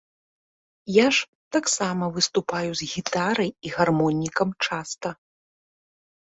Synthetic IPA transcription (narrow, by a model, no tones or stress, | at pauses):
jaʂ | t̪aksamɐvɨst̪upajuzɣʲit̪aɾɐjiɣarmɔnʲːikɐmt͡ʂast̪ɐ